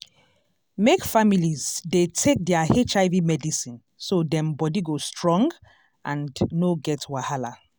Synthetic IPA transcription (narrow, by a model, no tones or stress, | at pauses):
mekfamilizdetʰek̚dɛahet͡ʃaɪvimɛdisĩn | sodɛ̃mbɔdiɡostʰɹɔ̃ŋɡ | ʔãndnoɡɛtwahala